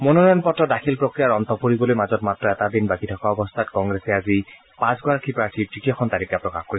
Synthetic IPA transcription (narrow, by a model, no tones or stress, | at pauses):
mononɔjɔnpɔtːɔdakʰilpɹokɹijaɹɔnt̪ɔpoɹibɔlojmazɔtmatɹɔɛtadinbakitʰɔkaɔbɔst̪ʰatkɔŋɡɹesɛazi | pãsɡwaɹkʰipɹaɹtʰiɹzikijaxʰɔnt̪aɹikːapɹɔkaxkoɹisɛ